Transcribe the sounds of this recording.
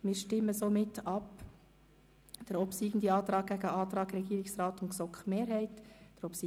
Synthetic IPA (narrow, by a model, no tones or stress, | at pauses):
mɪːɾʃtɪmːəsoːmɪtɑp | d̥əɾɔpsiːɡən̩d̪iɑːt̪ɾɑːɡ̚ɡ̥æɡəɑːt̪ɾɑːɡɾɛɡ̥iːɾɪksɾɑːt̪ʊnsɔkχmeːɾhɛɪtd̥əɾɔpsi